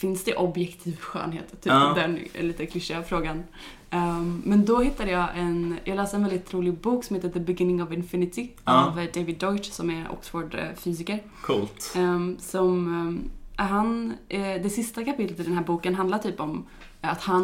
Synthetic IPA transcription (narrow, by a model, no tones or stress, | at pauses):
fɪnsd̪ɛʔɔbjɛkt̪ʰiːvɧø̰ːnɦḛːt̪t̪ʰːyːpd̪ɛnliːt̪əkʰlɪʂɪafɾoːɡan | mɛnd̪ɔhɪt̪ːad̪əjɑːʔɛnjʔɑːɡlɛːsəɾɛnvɛld̪ɪt̪ʰːɾuːlɪɡbuːksɔmheːt̪əðəbɪɡɪnɪŋɔvɪnfɪnɪt̪ɪavɖ̪evɪd̪ːɔɪt̪sɔmɛɾɔ̰ksfoːɖfyːs̬ɪkəɾ | kʰuːlt̪sɔm | ɦand̪ɛsɪst̪akapɪt̪lət̪ɪld̪ɛnæːɾbuːkənɦand̪laɾʈʰyːpɔm | at̪han